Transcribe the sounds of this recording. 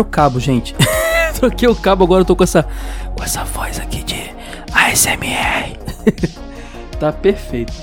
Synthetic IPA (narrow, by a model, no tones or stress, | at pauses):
ɾʊkabʊʒẽnt͡ʃɪ̥t̪okeʊkabʊaɡɔɾɐewt̪okõɛsɐkõɛsɐvɔjzakʰid͡ʒɪ | aɛsemiɛ | t̪apeɾfejt̪ʊ̥